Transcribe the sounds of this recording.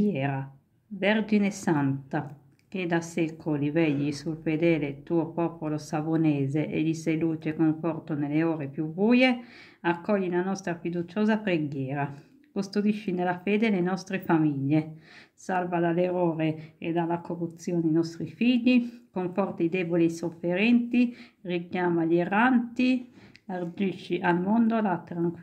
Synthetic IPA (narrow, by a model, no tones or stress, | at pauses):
ɛːɾa | veɾd͡ʒinesant̪a | ked̪ːasɛkʰolivɛʎːisulfed̪ɛːlet̪uːopɔːpolosavonɛːzeʔḛʎːiselut͡ʃekoɱfɔrt̪oneleoːɾepjubuːje | akːɔʎːilanɔst̪ɾafid̪ut͡ʃoːzapɾeɡjɛːɾa | kust̪od̪iʃːinelafɛːd̪elenɔst̪ɾefamiʎːesalvad̪alːeɾoːɾeed̪alːakorːut̪sːjoːninɔst̪ɾifiʎːikoɱfɔrt̪aid̪ɛːbolisofːeɾɛnt̪irikjaːmaʎerːant̪iard͡ʒiʃːiʔalmond̪olat̪ɾaŋk